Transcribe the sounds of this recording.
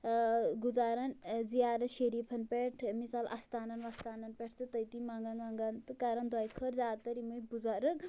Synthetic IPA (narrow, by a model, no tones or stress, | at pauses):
ɡud͡zaːɾɐnzijaːɾɐnʃeɾipʰɐnpeʈʰmisalʔɐ̰st̪aːnɐnʋɐst̪anɐnpeʈʰt̪ɨt̪ɐjt̪imaŋɡanaŋɡant̪ɨkaɾɐnd̪ɐjkʰəɾzaːt̪ɐɾimujbud͡zaɾɨk